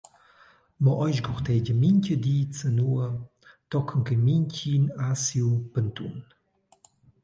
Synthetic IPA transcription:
mɔʔɔjʃɡɔxt̪ɛɟəmiɲcəd̪iːt͡sənuə | t̪ɔkʰəŋkəmiɲcinasiupənt̪ṵn

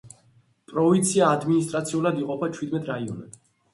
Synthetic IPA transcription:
pʼɾɔvint̪sʰiaːd̪minist̪ʼɾat̪sʰiulad̪iqʼɔpʰat͡ʃʰwid̪mɛt̪ʼɾaiɔ̰nɛ̰d̪

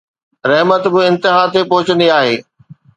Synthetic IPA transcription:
ɾɐɦmət̪bɪɪ̃nt̪ɪɦat̪epɔɦʊt͡ɕə̃nd̪iaːɦeː

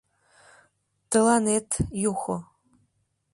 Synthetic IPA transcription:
t̪ʰɨlanetʰjuxʷo

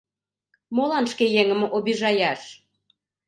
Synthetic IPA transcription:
molɑnʃkejeŋə̆mʔobiʒɑjɑʃ

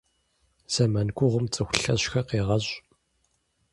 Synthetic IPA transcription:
z̥ɐmankʷʊʁəmt͡sʼɨxʷʊɬɐ̰ɕxɐqiːʁɐʑ

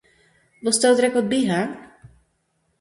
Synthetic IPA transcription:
bɔst̪awt̪ɾɛkɔbiɦa

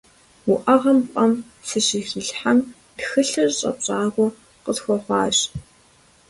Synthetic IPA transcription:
wʊʔɐʁɐmqʷʼɐm | sɨɕiːxiɬħam | pxɨɬɨrɕʼɐ̰ɕʼaːɣʷɔ | qəsxʷɔχʷɑ̰ːɕ

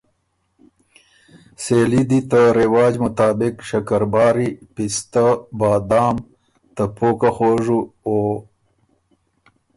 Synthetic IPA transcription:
seːlid̪it̪əɾɪwɑːd͡ʒmʊt̪ɑːbɪkʃɐkaɾbɑːɾipist̪abɑːd̪ɑːm | t̪əpʰoːkaxoʐuo

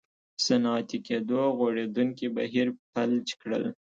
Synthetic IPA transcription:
sanɑt̪iked̪oɣoɽed̪uŋkiba̰ɦiɾpalt͡ʃkɽə̰l

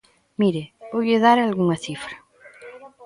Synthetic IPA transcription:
miɾebojeðaɾalɣuŋɐθifɾa

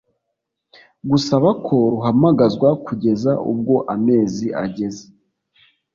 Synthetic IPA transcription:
ɡusaβakʰo̞ɾuɦamaɡazɡwakʰuɟe̞zaʔṵb̚ɡo̞ʔame̞ːziʔa̰ɟe̞ze

